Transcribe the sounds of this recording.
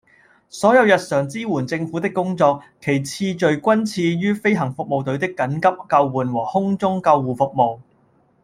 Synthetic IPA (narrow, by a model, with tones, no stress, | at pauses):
sɔː˨˥jɐ˨˧wjɐ˨t̚sœː˨˩ŋt͡siː˥wuː˨˩nt͡sɪ˧ŋfu˨˥t̪ɪ˥kːʊ˥ŋt͡sɔː˧k̚kʰːe˨˩jt͡sʰiː˧t͡ʃɵ˨˧ɥkʷɐ˥nt͡sʰiː˧jyː˥fe˥jɦɐ˨˩ŋfʊ˨k̚mo˨wt̪ɵ˨˧˥ɥt̪ɪ˥kːɐ˨˥nkɐ˥p̚kɐ˧wwuː˨nwɔː˨˩hʊ˥ŋt͡sʊ˥ŋkɐ˧wːuː˨fʊ˨k̚mo˨w